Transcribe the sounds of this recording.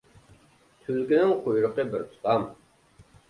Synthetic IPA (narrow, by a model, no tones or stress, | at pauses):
t̪ʰylkʲinɪŋqʰojɾəqəbɪɾt̪ʰu̥t̪ʰɑm